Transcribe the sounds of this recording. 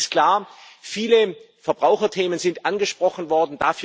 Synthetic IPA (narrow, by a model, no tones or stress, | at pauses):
skl̥aːɐfiːlə | fɛɐb̥ʁaʊxɐtʰeːmənzɪntʔanɡəʃpʁ̥ɔxn̩vɔɐdn̩daːfː